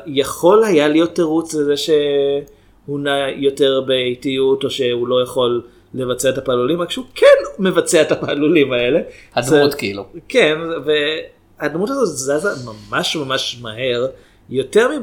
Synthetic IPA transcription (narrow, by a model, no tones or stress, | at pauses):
jaχo̞lhajalijo̞tːeʁut͡slezeʃe̞ | hunajo̞te̞ʁbeejtijuto̞ʃe̞ulo̞jaχo̞lː | e̞vat͡seaetapalulimakʃeukʰenme̞vat͡seaetapaːlulimae̞le̞hadzut̪kilukenve | admutazotzazamamaʃmamaʃmaɦe̞ʁ | jo̞te̞ʁmi